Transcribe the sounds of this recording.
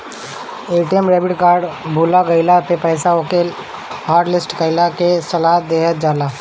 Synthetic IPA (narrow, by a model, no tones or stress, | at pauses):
eːʈijəmɾeːbɪʈkaːɾɖbʱuːlaɡəɪlap̪epɛːsaokel | haːɾɖlɪsʈɡəɪlakesɐlaːɦət̪̚d̪eːɦət̪̚d͡ʒaːlaː